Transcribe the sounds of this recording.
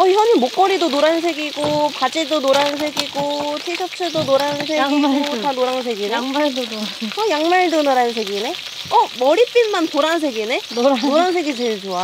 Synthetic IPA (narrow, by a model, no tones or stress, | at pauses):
ʌçjʌɲimok͈ʌɾidonoɾans̬ʰe̞ɡiɡopad͡ʑedonoɾans̬ʰeɡiɡotʰisʰʌt͡ɕʰɯɭdonoɾans̬ʰemtanoɾaŋs̬ʰeɡinaŋmaɭdodoʌjaŋmaɭdonoɾans̬ʰeɡine | ʌmʌɾip͈inmanpoɾansʰe̞ɡineɾnoɾaŋs̬ʰe̞ɡit͡ɕeɭt͡ɕoa